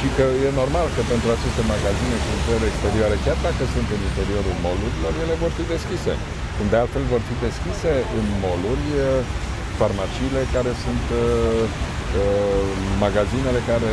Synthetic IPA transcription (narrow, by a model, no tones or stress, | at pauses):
ʃikəje̞no̞rmalkəpe̞nt̪ɾuat͡ʃe̞st̪e̞maɡazine̞ʃunt̪eleːkst̪e̞ɾioaɾe̞kʲard̪akəsunt̪ɨnint̪e̞ɾio̞ɾulmo̞luɾilo̞rje̞le̞vo̞rfid̪e̞skʲise̞̰ | kumd̪e̞alt̪fe̞lvo̞rfid̪e̞skʲise̞ɨnmo̞lurʲ | farmat͡ʃiːle̞kaɾe̞sunt̪ | maɡazine̞le̞kaɾe